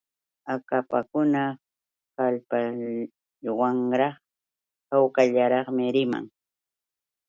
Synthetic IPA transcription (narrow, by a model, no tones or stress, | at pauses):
akapakʊna | kalpa | waŋɾɑχ | hawkaʎaɾɑχmɪɾɪma̰ŋ